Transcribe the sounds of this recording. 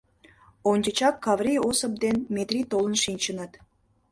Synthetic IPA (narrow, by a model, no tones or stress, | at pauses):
onʲd̪ʲət͡ɕɑkːɑvrʲiosəp̚d̪enmet̪rʲit̪olə̆nʃinʲt͡ɕənət̪